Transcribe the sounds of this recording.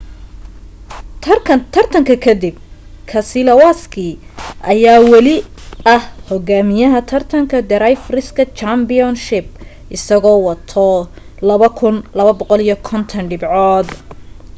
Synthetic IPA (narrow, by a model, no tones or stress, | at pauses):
t̪ʰɐrt̪ʰɐŋkʰɐkʰɐd̪ɪb̚ | kʰɐsɪlɐwaskʰiʔɐjaːwɑlɪɐhhɔɣaːmɪjɐɦɐt̪ʰɐrt̪ʰɐŋkʰɐd̪ɛɾajfrɪskʰɐt͡ʃambɪɔnʃɪb̚ | ʔɪsɐɣɔːwɑt̪ʰɔ | lɐβɐkʰʊnlɐβɐbɔqɔlijɞkʰɔnt̪ʰɐnɖɪbʕɔːd̪